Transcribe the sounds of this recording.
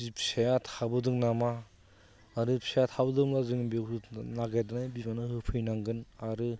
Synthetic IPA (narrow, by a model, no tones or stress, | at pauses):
ipʰsejatʰabɯdɯŋnamaː | ɾɯpʰsejatʰabɯdɯŋlazɯŋbikɯnaɡajdɯnajbimanɯhɯpʰɯjnaŋɡɯnaɾɯ